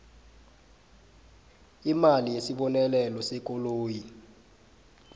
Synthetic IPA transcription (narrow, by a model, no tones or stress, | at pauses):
imalijesiɓɔnɛlɛlɔsekʼoloːji